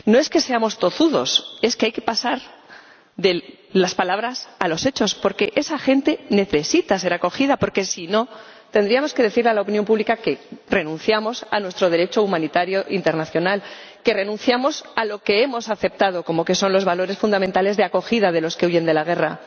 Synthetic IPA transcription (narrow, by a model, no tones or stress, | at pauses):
no̞e̞ske̞se̞amo̞st̪o̞θuðo̞̰se̞skeajke̞̥pasaɾ | ðe̞ | laspalaβ̞ɾasalo̞se̞t͡ʃo̞spo̞ɾke̞ʔe̞saxe̞nt̪e̞ne̞θe̞sit̪ase̞ɾako̞xiðapo̞ɾke̞sino̞ | t̪end̪ɾiamo̞ske̞ð̞e̞θiɾlealaopinjo̞mpuβlikake̞re̞nũn̟θjamo̞sanwe̞st̪ɾo̞ðe̞ɾe̞t͡ʃo̞umãnit̪aɾjo̞ʔint̪e̞ɾnaθjo̞nalke̞re̞nũn̟θjamo̞salo̞ke̞e̞mo̞saθe̞p̚t̪að̞o̞ko̞mo̞ke̞so̞nlo̞zβalo̞ɾe̞sfund̪amẽnt̪ale̞zðe̞ako̞xiðað̞e̞lo̞ske̞uʝe̞nd̪e̞laɣ̞e̞ra